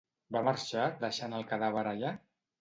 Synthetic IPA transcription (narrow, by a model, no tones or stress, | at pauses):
bamaɾʃad̪əʃanəlˠkaðaβəɾaʎa